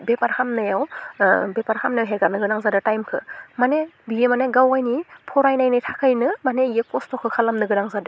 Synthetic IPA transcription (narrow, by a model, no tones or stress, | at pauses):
bepaɾhʰamnɯjawbepaɾhʰamnajawɦeɡaɾnɯɡɯnaŋzadɯtajmkʰɯ̰manebiemaneɡawajnipʰɔɾajnajnɯjtʰakʰɯjnɯmaneijekɔstʰɔkʰɯkʰalamnɯɡɯnaŋzadɯ